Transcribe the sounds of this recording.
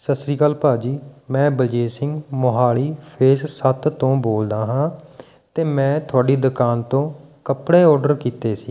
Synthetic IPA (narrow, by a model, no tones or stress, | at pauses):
səsɾiːkaːlpaːd͡ʒiːmɛ̃ːbəd͡ʒeːsɪŋɡmoɦaːɭiːpʰeːssət̪t̪õːboːld̪aːɦãː | t̪eːmɛ̃ːt̪ʰʊaːɖiːd̪ʊkaːnt̪õːkəpɽeːɔːɾɖəɾkiːt̪eːsiː